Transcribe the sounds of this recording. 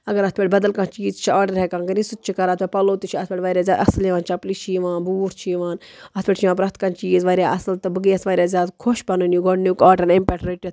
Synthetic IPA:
ɐɡɐɾɐt̪ʰpeʈʲbɐd̪ɐlkãnt͡ʃiːzt͡ʃʰiaːɖɐɾɦɛkãːnkɐnisut̪̚t͡ʃʰikɐɾaːt̪ʰbʲepɐloːt̪it͡ʃʰiɐt̪beʈʲʋaːɾʲjaːzʲaːd̪ɐsliʋãːnt͡ʃɐplit͡ʃʰiːʋaːnbuːɾt͡ʃʰiːʋaːn | ɐt̪ʰpʲeʈt͡ʃʰiʋãːp̬ɾɐt̪ʰkant͡ʃiːzʋaːɾʲjaːʔɐsɐlt̪ɨbɨɡijɐsʋaːɾʲjaːzʲaːd̪kʰoʃpɐnunjuɡoɳnukaːʈɐnempɛʈɾeʈed̪

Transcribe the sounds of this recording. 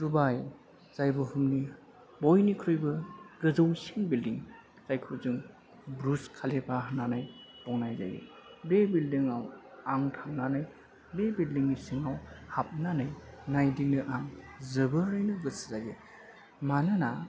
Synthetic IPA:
dubaj | z̥ajbɯhumni | bojnikʰɾɯjbɯɡ̥ɯzɯwsiŋbildiŋ | zajkʰɯwzɯŋ | bɾuskʰalepʰaɦananajpɔŋnajza̰ɡḛbebildiŋaw | aŋtʰamnanaj | bebildiŋːisiŋawhap̚nanajnajdiŋnɯʔaŋzɯbɯɾɯjnuɡɯszaɡe | manɯna

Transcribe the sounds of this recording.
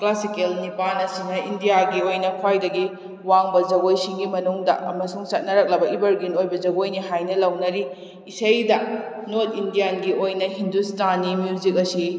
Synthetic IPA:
klasikelnipanɐsinɐʔindijaɡiojnɐkʰwajdɐɡi | waŋbɐzɐɡojsiŋɡimɐnuŋdɐ̰ʔɐmɐsuŋsɐt̚nɐɾɐk̚lɐbɐibɐɾɡinojbɐd͡ʒɐɡojniɦajnɐlɐwnɐɾiː | sɐjdɐnot̚indijanɡiojnɐɦindustanːimjuzik̬̚ɐsi

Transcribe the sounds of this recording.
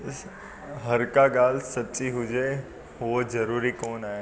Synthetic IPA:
ɦɐɾkaɡaːlsɐtːt͡ʃiɦʊd͡ʒe | ɦʊod͡ʒɐɾuːɾikoːnaːɦe

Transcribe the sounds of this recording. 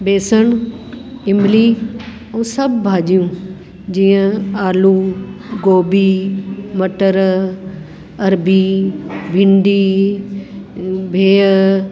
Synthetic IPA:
beːsən | ɪmbliː | õːsɐbbʱaːd͡ʑijũː | d͡ʑiːə̃aːluːɡoːbiːmɐʈəɾ | ɐɾbiːbʱɪ̃ɳɖiː | bʱeː

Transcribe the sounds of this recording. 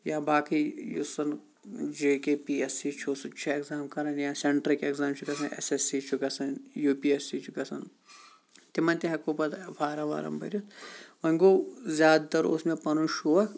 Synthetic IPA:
jaːbaːkijusɐn | d͡ʒeːkepiesit͡ʃʰosut͡ʃʰɐekzaːmkɐɾɐnjaːseɳʈɾikekzaːmt͡ʃʰukɐsɐnʔḛsesit͡ʃʰukɐsɐnjuːpiesit͡ʃʰukɐsɐn | t̪imɐnt̪iɦɐkuːpɐt̪pʰaːɾɐʋa̰ːɾɐ̰mbɐ̰ɾʲjut̪ʋɐŋɡozʲaːd̪t̪ɐɾṵsmẽpɐnuʃuʋɐk

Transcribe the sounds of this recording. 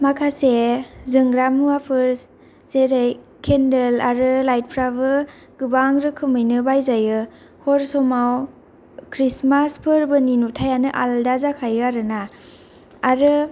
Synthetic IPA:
makʰasezɯŋɡɾamuwapʰɯɾ | z̥eɾejkʰendelaɾɯlajt̚pʰɾaβɯ | ɡ̥ɯbaŋɾɯkʰɯmɯjnɯbajzajɯ | hɔɾsɔmaw | kʰɾismaspʰɯɾbɯninutʰajanɯʔaldazakʰajɯaɾɯnaː | ɾɯ

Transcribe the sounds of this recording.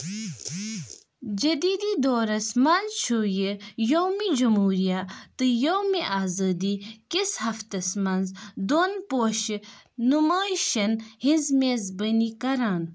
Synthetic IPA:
d͡ʒɐd̪iːd̪id̪oːɾɐsmɐnzt͡ʃʰoːjijowmid͡ʒɐmɦuːɾijat̪ɨjowmiʔaːzɐːd̪ikishɐft̪ɐsmɐnzd̪oːnpoːʃː | umaːjʃɐnhizmeːzbɐnikɐɾaːn

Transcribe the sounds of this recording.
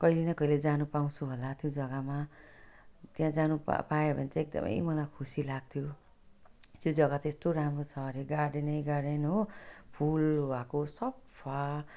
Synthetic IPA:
kʌilenʌkʌiled͡zanupaw̃t͡sʰuɦolat̪jod͡zʌɡama | t̪jãd͡zanuppaebʱʌnt͡sãek̚d̪ʌ̰mʌ̰jmʌlajkʰusilaɡ̚t̪ʰjo | t̪jod͡zʌɡatest̪oɾamrot͡sʰʌɾiɡaɖenʌjɡaɖenopʰulwakosʌb | pʰa

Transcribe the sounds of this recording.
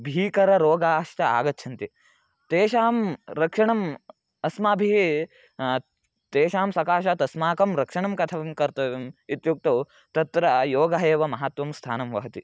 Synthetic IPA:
bʱiːkɐɾɐɾoːɡaːʂʈɐa̰ːɡɐtːt͡ʃʰɐnt̪i | t̪eːʃaːmɾɐkʂɐɳɐm | ɐsmaːbʱiɦi | t̪eːʃaːmsɐkaːʃɐt̪ɐsmaːkɐmɾɐkʂɐɳɐmkɐt̪ʰɐʋɐmkɐɾt̪ɐʋimit̪juk̚t̪ɐ | t̪ɐt̪ɾɐjoːɡɐɦeːʋɐmɐɦɐt̪ʋɐmst̪ʰaːnɐmʋɐɦɐt̪i

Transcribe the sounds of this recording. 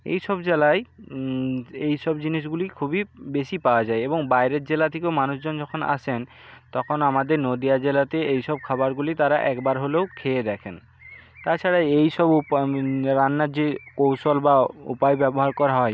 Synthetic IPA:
ḛjʃɔbd͡ʑelae | ejʃɔbd͡ʑiniʃ̬ɡulikʰubibeʃipaoad͡ʑaeeboŋbajɾet̪̚d͡ʑelat̪ʰekewmanuʃd͡ʑond͡ʑɔkʰona̰ʃʰen | t̪ɔkʰonamad̪eɾnod̪iad͡ʑelat̪eejʃɔb̚kʰabaɾɡulit̪aɾaʔɛkbaɾɦolewkʰeed̪ɛkʰen | t̪aɾt͡ɕʰaɽajejʃɔb | ɾanːad͡ʑekowʃolbaṵpajbɛboɦaɾkɔɾaɦɔe

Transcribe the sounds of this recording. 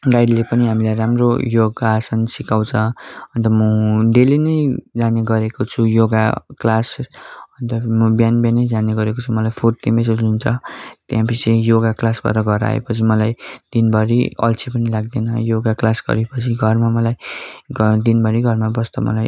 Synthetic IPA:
ɡajdlepʌniɦamilajɾamrojoɡasʰʌnsikaw̃t͡sʰʌʌnt̪ʌmʌɖelenʌjd͡zaneɡʌɾekot͡sʰujoɡa̰klasʌnt̪ʌmʌbjanbjenʌjd͡zaneɡʌɾekot͡sʰumʌlajpʰort̪imbesʌd͡zunt͡sʰʌt̪jãpʰisijoɡaklasba̰ʈʌɡʌɾa̰ḛpʌt͡sʰimʌlajd̪̥inbʌɾḭʌ̰lt͡sʰipʌnilaɡd̪enʌjoɡaklasɡʌ̰ɾepʌt͡sʰiɡʱʌrmamʌlajɡʌd̪inbʌɾiɡʱʌrmabʌst̪ʌmʌ̰laj

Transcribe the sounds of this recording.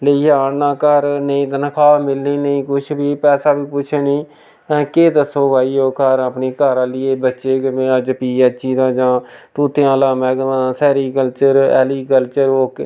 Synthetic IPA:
leiːaːɽnãːkəɾnəĩːt̪ənəkʰaːmɪlniːnəĩːkʊt͡ʃʰbiːpɛːsaːbiːpʊt͡ʃʰeːnĩː | keːd̪əsoːkaːiːoːkəɾəpniːkəɾãːlɪːeːbətːʃeːkəmẽːəd͡ʒpiːət͡ʃiːd̪ãːd͡ʒãːt̪uːt̪ejãːlaːmɛːɡnãːsɛːɾiːkəlt͡ʃəɾɛ̰ːliːkəlt͡ʃəɾoːk

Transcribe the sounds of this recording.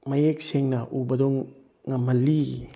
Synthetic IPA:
majek̚seŋnaʔubɐdɔŋː | amali

